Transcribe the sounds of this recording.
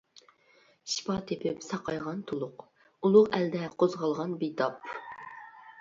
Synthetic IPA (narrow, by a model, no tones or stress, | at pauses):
ʃi̥pɑt̪ʰepʰɪpsɑqʰɑjʁɑnt̪ʰolˠʊq | ulˠʊqæld̪ɛqʰozʁɑlˠʁɑnbit̪ʰɑp